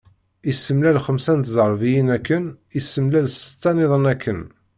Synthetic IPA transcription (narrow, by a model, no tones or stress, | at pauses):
isəmlælχəmsænt̪zˤəɾˤvijinækːən | isːəmlælsə̥t̪ːænɪðˤənækʰːən